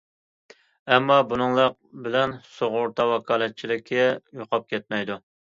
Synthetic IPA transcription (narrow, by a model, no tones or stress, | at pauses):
ɛmːɑbunɨŋlˠɑq̚bɪlɛnsoʁʊɾt̪ʰɑwɑkʰɑːlˠɛt̪̚t͡ʃʰilɪkʲʰːɛjoqʰɑp̚kʲɛt̪̚mɛjd̪u